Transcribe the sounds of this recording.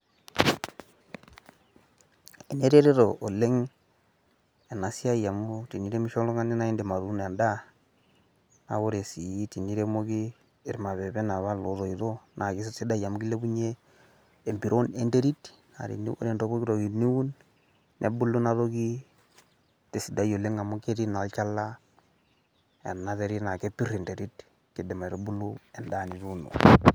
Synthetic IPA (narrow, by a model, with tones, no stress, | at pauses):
e˨ne˦ɾe˦ɾe˦ɾo˨ʔo˨le˦ŋ | ɛ˨na˨si˦a˦ja˨mu˦ti˨ni˦ɾe˦mi˦ʃo˦lɔ˦ŋa˦ni˦na˦i˦nde˨ma˨ɾu˨˦na˨nda˦ | na̰˨˦βo˦ɾe˨si˨i˦ti˨ni˦ɾe˦mo˦kiː˦˨ | ɾma˨βɛ˨bɛ˦na˨βa˦lo˨ðo˨iðo˦nʔa˨ki˦s̬se˦da˦˨ja˨mu˦ɡi˦le˦bu˦ɲeː˦˨ | mbi˨ɾʔo˦ne˦nde˦ɾi˦t | na̰˨ɾḭ˨nḭ˦o̰˦ɾe˨ndo˦ko˦ki˦ɾo˨ɡi˨ni˦u˦nː | e˨bu˦lːu˦na˦to˦ki˦ | te˨si˨da˦jo˨le˦ŋa˨mu˦ke˦ɾi˦na˨lt͡ʃa˦la˦ | ɛ̰˨nnːa˦te˦ɾi˦na˨ke˦pi˦re˨nte˨ɾi˦t | kɪ˨dɪ˨ma˨ɾo˦bu˦lu˦ɛ˨nda˦˨ni˨ɾu˦no̰˨